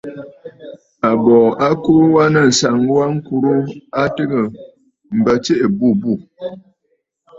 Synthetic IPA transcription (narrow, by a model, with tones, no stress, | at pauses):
a˨bɔː˨a˦koː˦wa˦nə˦˨n̩˨sa˨ŋ˦wa˦ŋ̩˦ku˨ɾu˦a˦tɨ˦ɣə˨ | m̩˨bə˨t͡ʃe˦ʔe˨bu˦˨bu˦˨